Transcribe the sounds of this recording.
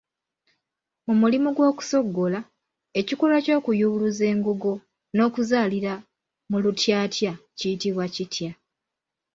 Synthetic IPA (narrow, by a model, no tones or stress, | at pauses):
mumulimuɡwo̞ːku̥so̞ɡːo̞la | e̞cikolwaco̞ːkujuβuluze̞ːŋɡuɡo | no̞ːkuzaːliɾa | mulutjaːtjacijitiβwacitʰja